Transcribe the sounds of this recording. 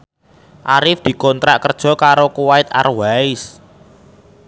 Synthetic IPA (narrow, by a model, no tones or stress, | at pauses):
ʔaɾɪfd̪̥i̤kɔnt̪ɾaʔkərd̥ʒ̥ɔ̤kaɾokuwaɪt̪a̰rwaɪs